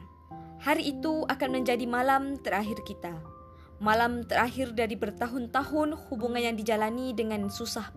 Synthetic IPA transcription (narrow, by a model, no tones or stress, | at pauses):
haɾiːt̪uakanməɲd͡ʒadimalamt̪əɾaɦɪrkit̪a | malamt̪əɾaɦɪrdaɾibərt̪aɦʊnt̪aɦʊnhubuŋanjaŋdid͡ʒalanidəŋansusah